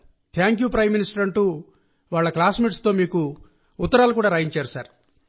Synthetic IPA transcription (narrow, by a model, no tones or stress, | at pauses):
t̪ʰjaːŋkjuːpɾɐjmːinisʈɐɾɐɳʈuː | ʋaːɭːɐklaːsmiːʈst̪o̞ːmiːku | ut̪ːɐɾaːlukuːɽaːɾaːjiɲt͡ʃeːɾusaːɾ